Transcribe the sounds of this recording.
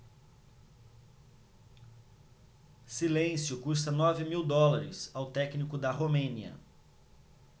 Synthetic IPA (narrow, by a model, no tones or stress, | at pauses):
silẽsjʊkus̬t̪ɐnɔvɪmiwd̪ɔlaɾɪ̰sawt̪ɛknikʊd̪ɐɦomẽniɐ̰